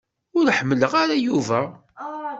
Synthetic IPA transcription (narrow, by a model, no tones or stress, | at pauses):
ʊɾħəmːələʁaɾajuvæ